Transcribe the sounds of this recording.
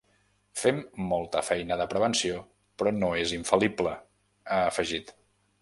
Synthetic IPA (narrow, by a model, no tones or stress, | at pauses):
femːolˠt̪əfɛjnəðəpɾəβ̞ənsio | pɾɔnoeziɱfəliplə | əːfəʒit̪